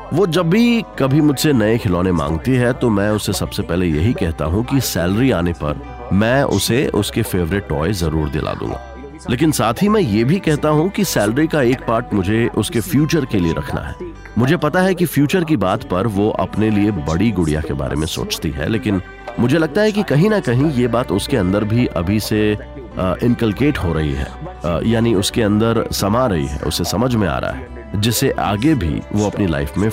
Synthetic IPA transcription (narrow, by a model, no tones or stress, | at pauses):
ʋoːd͡ʒɐbːikɐbʱimʊd͡ʒʱsenɐekʰɪlɔːnemã̰ːŋɡt̪iɦɛt̪omɛ̃ːʊsesɐbsepɛːɦlejɐɦikɛɦt̪a̰ɦũkisɛːlɾiaːnepɐ̰ɾ | mɛ̃ːʔʊ̰seʊ̰skefeːʋɾɪʈɔ̰ːezɐɾuːɾd̪ɪ̰lʔa̰ːd̪ṵ̃ːŋɡa̰ː | leːkɪnsaːt̪ʰɦimɛ̃ːjeːbʱikɛɦt̪aɦũkisɛːlɾikaeːkpaːɾʈmʊd͡ʒʱeʔʊskefjuːt͡ʃəɾkelieɾɐ̰kʰna̰ɦɛ̰ː | mʊd͡ʒʱepɐt̪aɦɛkifjuːt͡ʃəɾk̬ibaːt̪pɐɾʋoʔɐ̰pneliebɐɽiɡʊɽija̰keba̰ːɾḛmḛ̃so̰ːt͡ʃt̪iɦɛ̰leːkɪn | mʊd͡ʒʱelɐɡ̚t̪aɦɛkikɐɦĩnɐkɐɦĩjebaːt̪ʊskeɐ̃nd̪əɾbʱiʔɐ̰bʱise | ʔɪ̃nkəlkeːʈɦoɾɐɦḭɦɛ̰ːjaːniʊskeɐ̃nd̪əɾsɐmaɾɐɦḭɦɛ̰ʊ̰sːesɐməd͡ʒʱmẽa̰ːɾa̰ɦɛː | d͡ʒɪseʔa̰ːɡebʱḭʋoɐpnila̰ɪfmẽ